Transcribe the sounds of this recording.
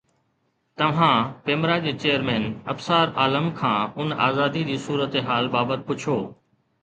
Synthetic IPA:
t̪ɐʋ̤ãːpeːmɾad͡ʑeːt͡ɕeːəɾmɛ̃ːnɐbsaːɾaːləmkʰãːʊna̰ːzaːd̪id͡ʑiːsuːɾət̪eɦaːlbaːbət̪̚pʊt͡ɕʰoː

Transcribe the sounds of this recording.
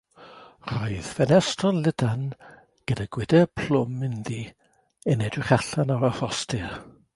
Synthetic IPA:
r̥ɔɨðfɛnɛstrɔnlˠɪdan | ɡ̥ədaɡ̥wɪdɛpʰl̥ʊmɪnði | ɛnɛdrɪχaɬanawafɔstʰɪr

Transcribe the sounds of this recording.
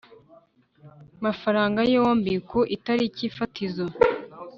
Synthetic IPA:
mafaɾaːŋɡajewoːmbikoʔitaɾiciːfatʰizo

